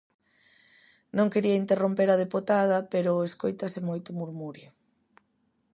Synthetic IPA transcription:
nõŋkeɾiɐint̪erompeɾɐð̞epot̪að̞ɐpeɾʊeskojt̪ɐsɪmojt̪ʊmuɾmuɾjo

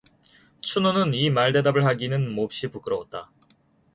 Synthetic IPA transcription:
t͡ɕʰunonɯnimaɭde̞dabɯɭhaɡinɯnmop̚ɕ͈ipuk͈ɯɾʌwot̚t͈a

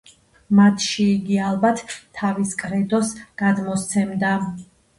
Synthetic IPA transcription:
mat̪ʰʃiːɡialˠbat̪ʰːaviskʼɾɛd̪ɔsɡ̥ad̪mɔst̪sʰɛmd̪a

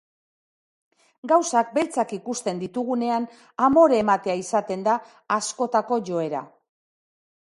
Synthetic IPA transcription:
ɡawsak̚be̞lt͡sakikust̪e̞nd̪it̪uɣune̞an | amo̞ɾemat̪e̞aisat̪e̞nd̪aː | sko̞t̪ako̞ʝo̞e̞ɾa̰

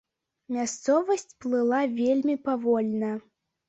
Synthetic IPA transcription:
mʲast̪sɔvɐsʲt͡sʲplˠɨlˠavʲelʲmʲipavɔlʲnɐ

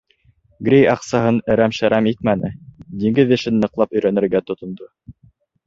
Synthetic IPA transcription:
ɡɾʲejɑqsɑɦɤnɘ̆ɾæmʃæɾæmit̪̚mænɘd̪iŋɡɘðɘ̆ʃɘnːɤ̆qlˠɑpɵ̆jɾænɘ̆ɾɡæt̪ŏt̪ŏnd̪o

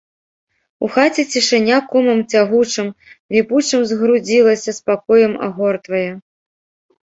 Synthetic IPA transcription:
uxat͡sʲɛt͡sʲiʂɨnʲakɔmɐmt͡sʲaɣut͡ʂɨmlʲiput͡ʂɨmzɣɾud͡zʲilˠɐsʲɐspakɔjɐma̰ɣɔrt̪vɐjɛ

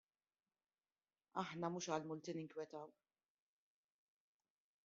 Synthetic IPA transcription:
ɐ̰ħnɐmuːʃɐːlmʊlt̪inɪŋkwjɛt̪ɐw

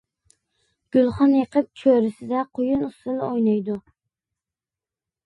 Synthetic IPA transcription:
ɡ̥ʲylˠχɑnjeqʰəp̚t͡ʃʰøɾɪsɪd̪ɛqʰojunust̪ɨlˠɨojnɑjd̪u

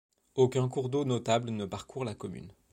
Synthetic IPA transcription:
okʲɛ̃kuʁd̪onɔt̪ablənəpaʁkʰuʁlakɔmy̰n

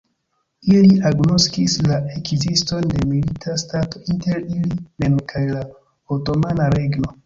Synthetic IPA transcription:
iliʔaɡnoskislaekzisto̞nde̞militʰastato̞inte̞ɾilime̞nkʰajla | oto̞manaɾe̞ɡno̞

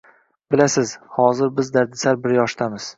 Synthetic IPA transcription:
b̥ɪlasɪz̥hɒzɪɾbɪzd̪aɾd̪ɪsaɾbɪɾjɒʃt̪ʰamɪz̥

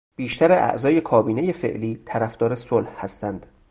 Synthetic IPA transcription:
b̥iːʃt̪æɾeʔæ̰ʔzɒːje̞kʰɒːbiːneje̞fḛʔliːt̪ʰæɾæfd̪̥ɒːɾesolhhæst̪ænd̪̥

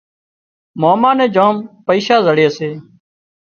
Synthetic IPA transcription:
moːmaːnẽːd͡ʒoːmpəiːʃaːzəɽeːəseː

